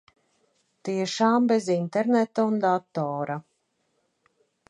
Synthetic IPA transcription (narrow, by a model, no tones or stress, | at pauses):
t̪iɛʃaːmbezint̪eɾnɛt̪aund̪at̪ɔːɾa